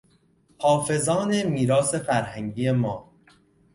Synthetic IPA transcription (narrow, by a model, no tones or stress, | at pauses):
hɒːfe̞zɒːne̞miːɾɒːse̞fæɾhæŋɟiːe̞mɒː